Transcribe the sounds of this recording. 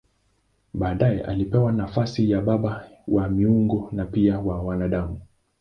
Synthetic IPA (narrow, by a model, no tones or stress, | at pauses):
ɓaːɗajɛʔa̰lipɛwanafasijaɓaɓawamiuŋɡɔnapiawawanaɗamu